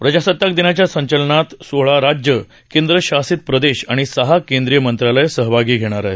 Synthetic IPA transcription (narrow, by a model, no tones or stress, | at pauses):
pɾəd͡ʑasət̪ːak̚d̪inat͡ɕjasəɲt͡ɕəlɳat̪soɭaɾad͡ʑjə | kẽnd̪ɾəɕasit̪̚pɾəd̪eɕaɽ̃isəɦakẽnd̪ɾijəmənt̪ɾalajsəɦʋʱaɡiːɡʱeɽ̃aɾaɦe